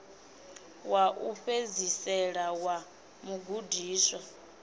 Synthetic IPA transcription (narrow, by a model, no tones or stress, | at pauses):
waʔuɸezisɛɺawa | muɡudiːswa